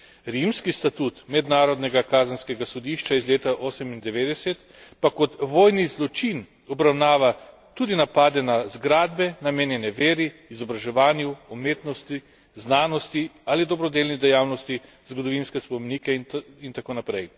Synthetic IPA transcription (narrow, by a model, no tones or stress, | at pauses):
ɾimskist̪at̪uːt̪mɛd̪naːɾɔd̪nɛɡakaːzənskɛɡasɔd̪iʃt͡ʃaizleːt̪aʔoːsɛmind̪ɛʋeːd̪ɛsɛt̪ | pakɔt̪ʋoːjnizlɔt͡ʃin | ɔbɾawnaːʋa | t̪ud̪inapaːd̪ɛnazɡɾaːd̪̚bɛnameːnjɛnɛʋeːɾiːzɔbɾaʒɛʋaːnjuɔmeːt̪nɔst̪i | znaːnɔst̪ialid̪ɔbɾɔd̪eːlnid̪ɛjaːwnɔst̪i | zɡɔd̪ɔʋinskɛspɔmeniːkɛint̪akonapɾɛj